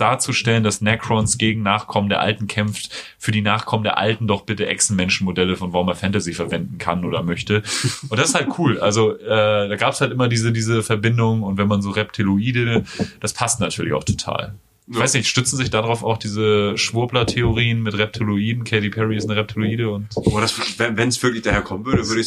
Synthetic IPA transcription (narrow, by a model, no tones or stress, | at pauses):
d̥aːɐt͡suʃtɛləndasnɛkʁɔnsɡ̥eːɡŋ̩naːχkʰɔməndeːɐʔa̰ltn̩kʰɛmftfyːɐdiːnaːχkʰɔməndeːɐʔa̰ltn̩dɔχb̥ɪtəʔɛ̰ksn̩mɛnʃn̩modɛləfɔnvaʁʊmɛɐfɛntazifɛɐvɛndn̩kʰanʔoːɾɐmœçtəʊntd̥asɪsthalt̚kʰuːlʔalzoʔɛːd̥aːɡaːpshaltʔɪmɐdiːzədiːzəfɛɐbɪndʊŋʊntvɛnmanzoːʁɛptʰeloiːdɪnəd̥aspʰastnatʰyːɐlɪça̰ʊxtʰo̥tʰa̰ːl | ç̥aɪsnɪçtʃtʏt͡sn̩zɪçd̥aːdʁaʊfa̰ʊxd̥iːzəʃv̥ʊɐplɐtʰeoʁiːənmɪtʁɛp̚tʰoloiːdn̩kʰɛɪɾipʰɛʁiɪstnəʁɛp̚tʰeloiːdəʊntoɐdasvvɛnvɛnsv̥ɪɐklɪçd̥aːheːɐkʰɔmənvʏɐɾəvʏɐɾə